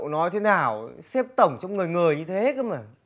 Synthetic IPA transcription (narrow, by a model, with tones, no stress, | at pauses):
wnɔ˨˦jt̪ʰe˨˦naː˨˩wsɛ˦˥p̚t̪ə˨˩wŋ͡mt͡ɕwŋ͡mŋɨ˨˩jŋɨ˨˩əjɲɨ˧t̪ʰe˨˦ka˧˦ma˨˩